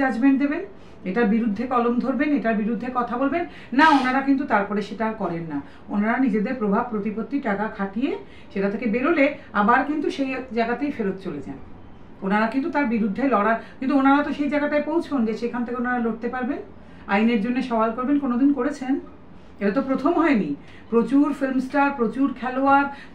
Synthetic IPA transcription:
ad͡ʑbend̪eben | eʈaɾbiɾud̪ʱːekɔlomd̪ʱoɾbeneʈaɾbiɾud̪ʱːekɔt̪ʰabolbenː | aonaɾakint̪ut̪aɾpɔɾeʃeʈakɔɾenːa | onaɾanid͡ʑed̪eɾpɾobʱab̚pɾot̪ipot̪ːiʈakakʰaʈije | ʃeʈat̪ʰekebeɾoleabaɾkint̪uʃejd͡ʑaɡat̪ejfeɾot̪̚t͡ɕoled͡ʑa̰n | onaɾakint̪ut̪aɾbiɾud̪ʱːelɔɽakint̪uonaɾat̪oʃejd͡ʑaɡaʈajpowt͡ɕʰond͡ʑeʃekʰant̪ʰekeonaɾaloʈ̚t̪epaɾben | a̰jneɾd͡ʑonːeʃɔalkoɾbenkonod̪inkoɾet͡ɕʰen | eʈat̪opɾot̪ʰomɦɔeni | pɾot͡ɕuɾfelmsʈaɾpɾot͡ɕuɾkʰɛloaɾ

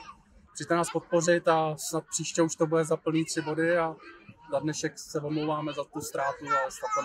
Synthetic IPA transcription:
ʒ̥it̪ɛnaːspo̞t̪̚po̞rɪt̪asnat̪̚pr̥iːʃcɛuʃt̪o̞budɛzapl̩niːt̪r̥ɪbo̞dɪazadnɛʃɛksɛvomlowvaːmɛzat̪ust̪ɾaːt̪uaɛst̪at̪a

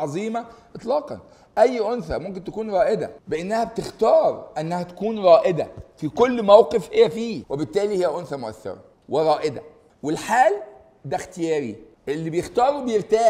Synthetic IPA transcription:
ɑzˤiːmæʔet̪ˤlɑːqɑ̰n | ʔæjːʔonθæmomk̬ent̪ækuːnɾˤɑːʔed̪æ̰beʔenːæhæbet̪ext̪ɑːɾˤʔænːæhæt̪æ̥kuːnɾˤɑːʔed̪æ̰fikolːmæwqefhejːæfiːwebet̪ːæːlihɪjːæʔonθæmoʔæ̰θːḛɾˤɑ̰ | weɾˤɑːʔed̪æ̰ | welħaːl | d̪æxt̪ɪjæːɾḭ | ʔelːibejext̪ɑːɾˤubejeɾt̪æː

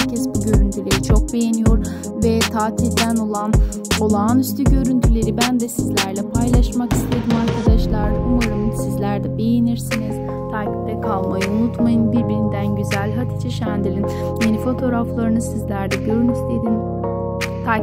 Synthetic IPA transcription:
hɾcʰɛsbuɟø̞ɾynt̪ʰylʲe̞ɾit͡ʃʰo̞k̚be̞jenijo̞ɾ | vɛt̪ʰaːt̪ʰild̪æno̞lˠan | o̞lˠaːnyst̪ʰyɟø̞ɾynt̪ʰylʲe̞ɾibænd̪ɛsizlʲæɾlʲɛpʰajlˠaʃmaki̥st̪ʰe̞d̪imaɾkʰad̪aʃlˠaɾd̪aumaɾɯnɯsizlʲæɾd̪ɛbe̞jeniɾsiniz̥ | t̪ʰaci̥p̚t̪ɛkʰalˠmajaunut̪majɯnbiɾbiɾind̪ænɟyzælʲɦat̪ʰit͡ʃʰaʃænd̪ilʲin | je̞nifo̞t̪ʰo̞ɾaflˠaɾɯnɯsizlʲæɾd̪ɛɟøɾynist̪ʰed̪im | t̪ʰa

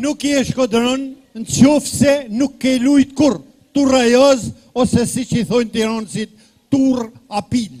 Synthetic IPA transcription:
nukjɛʃkɔd̪ɾɔn | nt͡ʃjɔfsɛnukːɛlujt̪kuɾ | t̪uɾajɔz | ɔsɛsit͡ʃiθɔjnt̪iɾɔnsit̪ː | uɾapil

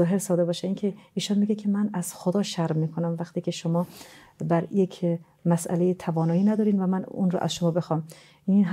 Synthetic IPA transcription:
ɒːɦeɾsɒːd̪ebɒːʃeiːnkʰeiːʃɔnmiɡekʰemænæz̥xod̪ɒːʃæɾmiːkʰonæmvæqt̪iːkʰeʃomɒː | bæɾjekʰ | mæsʔæ̰lejet̪ʰævɒːnɒːiːnæd̪ɒːɾiːnvæmænṵnɾɔ̰ʔæ̰zʃomɒːbe̞xɒːm | inɦ

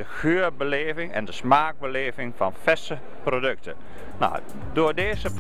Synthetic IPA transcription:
dəxøːəɹbəleːvɪŋɛ̰ndəsmaːɡ̚bəleːvɪŋfɔnfɛsə | prodøk̚tə | na̰w | doːdeːzə

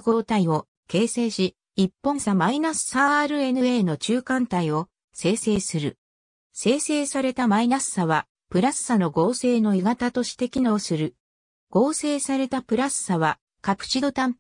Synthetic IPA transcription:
ɡo̞ːt̪aio̞ | ke̞ːse̞ːɕi | ipːõ̞samainasɨ̥saɾɯ̟e̞nɯ̟e̞ːno̞t͡ɕɨːkãnt̪aio̞ | se̞ːse̞ːsɨɾɯ̟ | se̞ːse̞ːsaɾe̞t̪amainasɨ̥saβa | pɯ̟ɾasɨ̥sano̞ɡo̞ːse̞ːno̞iɡat̪at̪o̞ɕi̥t̪e̞kʲino̞ːsɨɾɯ̟ | ɡ̥o̞ːse̞ːsaɾe̞t̪apɯ̟ɾasɨ̥saβa | kapɯ̟̥t͡ɕid̪o̞t̪ãm

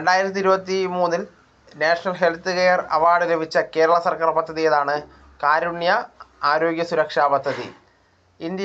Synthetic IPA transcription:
ɾeɳɖaːjiɾɐt̪ːiɾubɐt̪ːimuːnːil | neːʂɐnɐlɦelt̪ɨɣejɐrɐ̰ʋaːɽuɣɐbʱit͡ɕːɐke̞ːɾɐɭɐsɐrkaːrbɐd̪ʱːɐðijɐðaːɳɨ | kaːɾuɳjɐaːɾo̞ːɡjɐsuɾɐkʂaːbɐd̪ʱːɐðḭ | ind̪jɐ

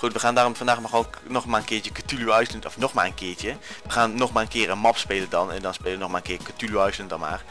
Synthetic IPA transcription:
χutʋəχaːndaːrɔmfɑndaːxmaxʋoːnnɔxmaːənkɪːɹjəkətyluœɥsləntɔfnɔxmaːrənkɪːɹtəʋəχaːnːɔxmaːrənkɪːrənmɑpspeːləndɑnɛ̰ndɔnspeːləʋənɔxmaːənŋkɪːkətyljuœɥsləndɔnma̰ːr

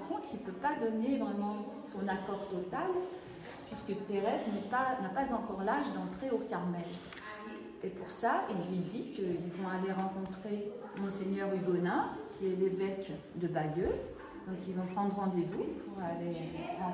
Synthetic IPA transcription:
kɔ̃t̪χilpøpad̪ɔnevʁɛmɑ̃sɔ̃nakɔʁt̪ɔt̪al | pɥiskət̪eʁɛznɛpanapazɑ̃kɔʁlaʒd̪ɑ̃t̪χeokʲaʁmɛl | epuʁsaʔilzɥid̪ikəilvɔ̃aleʁɑ̃kɔ̃t̪χe | mɔ̃seɲœʁybɔnɛ̃kʲʰiɛlevɛk | d̪əbajø | d̪ɔ̃kilvɔ̃pχɑ̃d̪ʁɑ̃d̪evupʰuʁaleɑ̃

